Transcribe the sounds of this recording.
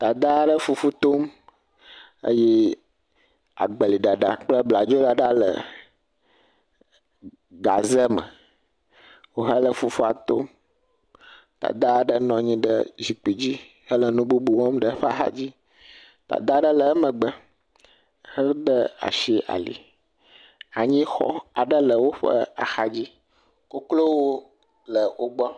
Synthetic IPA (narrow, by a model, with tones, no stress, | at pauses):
t̪a˨d̪a˦ɖə˦fu˦fu˦t̪o˦m | ə̰˦je˦ | a̰˨ɡ͡bə˨li˨ɖa˨ɖa˨k͡plə˦bla˨d͡ʒo˦ɖa˨ɖa˦lə̰˨ | ɡa˨zə˦mə̰˨ | wo˦ɦə˦lə˨fu˦fu˦a˨t̪o˦m | t̪a̰˨d̪a˦ɖə˦nɔ̃˨ɲĩ˦ɖə̰˦zi˨k͡pi˨d͡ʑi˦ | hə˦lə˨nũ˦bu˦bu˨wɔ̃˦mɖə˦ɸa˨xa̰˦d͡ʑi˦ | t̪a̰˨d̪a˦ɖə˦lə˨˦mə̃˨ɡ͡bə˦ | hə˦ɖə˦a̰˨ʃi˦ʔa̰˨lḭ˨ | a˨ɲĩ˦xɔ̰˦a˨ɖə˦lə˨wo˦ɸə̰˦a̰˨xa˨d͡ʑi˦ | ko˦klo˦wo˦ | lə˨wo˦ɡ͡bɔ˦